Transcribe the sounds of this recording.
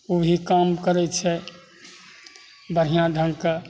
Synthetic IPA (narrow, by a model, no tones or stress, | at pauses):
obʱikamkəɾɛt͡ʃʰɛ | bəɾ̤ijãd̪ʱə̃ŋka